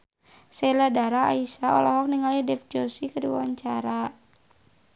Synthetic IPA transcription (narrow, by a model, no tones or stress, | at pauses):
sɛladaɾaa̰isaɔ̰lɔɦɔk̚niŋalidɛfd͡ʒɔsikəɾiwwaɲt͡ʃaɾa